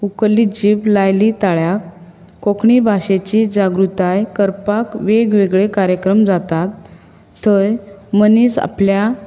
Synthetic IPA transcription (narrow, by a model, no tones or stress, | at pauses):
ukəlːid͡ʑiːʋlajlit̪aɭjakː | okɳibʱaɕet͡ɕid͡ʑaɡɾut̪ajkəɾpakʋeɡʋeɡɭekaɾjəkɾəmd͡zat̪at̪ʰː | əjmənisa̰plja